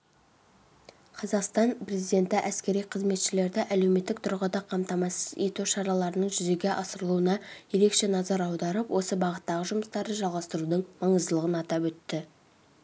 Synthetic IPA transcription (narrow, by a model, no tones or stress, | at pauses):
qʰɑzɑqst̪ɑnpre̞zijd̪e̞nt̪ɪʔæskʲe̞ɾijqʰəzme̞t̪ʃɪle̞ɾd̪ɪʔæle̞wme̞t̪ːɪk̚t̪ʰʊɾʁəd̪ɑqʰɑmt̪ɑmɑsəzet̪uʃɑɾɑlˠɑɾənəɴʒʏze̞ɡʲe̞ʔɑsəɾəlˠuənɑje̞ɾe̞kʃe̞nɑzɑɾɑwd̪ɑɾəpwo̞səbɑʁət̪ːɑʁəʒʊməst̪ɑɾd̪əʒɑlˠʁɑst̪əɾud̪əɴmɑɴəzd̪əlˠəʁənɑt̪ɑpwɵt̪ːɪ